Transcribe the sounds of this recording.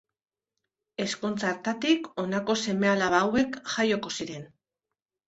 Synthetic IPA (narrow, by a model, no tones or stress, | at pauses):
e̞sko̞nt͡saɾt̪at̪iko̞nako̞se̞me̞alaβawe̞kʝajo̞ko̞siɾe̞n